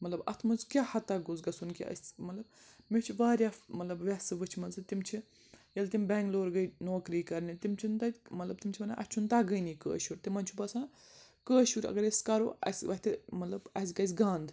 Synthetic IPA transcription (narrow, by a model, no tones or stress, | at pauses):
mɐt̪lɐbɐ̰t̪ʰmunzkʲaːhɐt̪aːɡuzɡɐsunkḭɐ̰sʲmɐt̪lɐb | met͡ʃʰiʋaːɾʲjaːmɐt̪lɐbʋʲɛsɨʋɨt͡ʃʰmɐnzɨt̪imt͡ʃʰi | jɐlt̪imʲbɛ̃ːŋɡloːɾɡəjnoːkɾiːkɐɾnit̪imt͡ʃʰint̪ɐmɐt̪lɐb̚t̪imt͡ʃʰimɐnaʔɐ̰t͡ʃʰunt̪aːɡəjniːkə̰ːʃuːɾt̪imɐnʲt͡ʃʰubɐsãː | kəːʃuːɾɐ̰ɡɐɾɐsʲkɐɾoːɐ̰sʲʋɐt̪ʰɨmɐt̪lɐbɐs̬ʲɡɐzʲɡaːnd̪